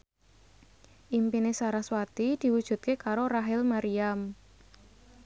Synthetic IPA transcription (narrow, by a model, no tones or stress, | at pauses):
ʔimpinesaɾaswat̪id̪̥i̤wud̥ʒ̥ṳt̪̚kekaɾoɾaɦɪlmaɾiam